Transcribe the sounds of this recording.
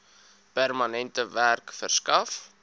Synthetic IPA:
pærmɐnɛntəværkfə̰rskɐf

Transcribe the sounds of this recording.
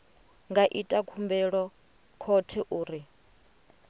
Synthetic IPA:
ŋɡaʔitʼakʰumbɛɺɔ | kʰɔtʰɛʔuːɾi

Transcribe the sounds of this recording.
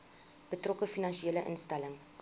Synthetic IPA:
b̥ətrokəfinɐnʃieːləʔə̰nstɐləŋ

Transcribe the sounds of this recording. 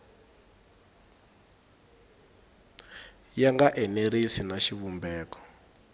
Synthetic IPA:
jaŋɡaʔɛneɾisinaʃiβumbɛːkɔ̥

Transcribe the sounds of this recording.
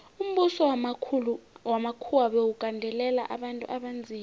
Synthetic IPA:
um̩ɓusɔulwamakʰuwaɓewukʼandʱɛlɛla̰ʔa̰ɓantʼṵʔaɓand͡zʱiː

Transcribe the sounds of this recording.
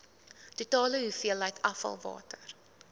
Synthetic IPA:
tutɑːləɦufiəlːɛjtɐfɐ̰lˠvɑ̰ːtər

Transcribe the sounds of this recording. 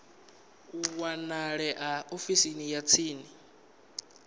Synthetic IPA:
uwanaɺɛʔaofisinijat͡sʰiːni

